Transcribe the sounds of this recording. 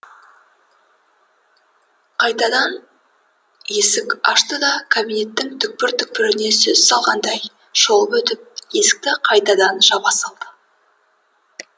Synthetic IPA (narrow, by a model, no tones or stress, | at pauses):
qʰɑjt̪ɑd̪ɑn | je̞sɪkɑ̰ʃt̪əd̪ɑkʰobine̞t̪ːɪŋt̪ʰʏk̚pɪɾt̪ʰʏk̚pɪɾɪne̞sɵz̥sɑlˠʁɑnd̪ɑj | ʒ̥o̞lˠəpɵt̪ɪp̚je̞sɪ̥k̚t̪ɪqʰɑjt̪ɑd̪ɑnʒɑbɑsɑlˠd̪̥ə